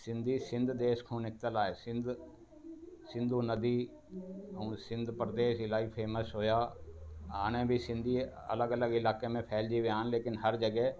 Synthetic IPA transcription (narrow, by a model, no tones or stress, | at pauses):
sɪ̃nd̪ʱisɪ̃nd̪ʱd̪eːʃkʰõnɪk̚t̪əlaːeːsɪ̃nd̪ | sɪ̃nd̪ʱunəd̪iː | əũsɪ̃nd̪ʱpɾəd̪eːʃɪlaːipʰeːməsɦoːjaː | aːɽ̃ẽbʱisɪ̃nd̪ʱi | ɐ̰ləɡələɡɪlaːkemẽpʰɛːld͡ʒiʋeaːənleːkɪnɦəɾd͡ʒəɡɛɦ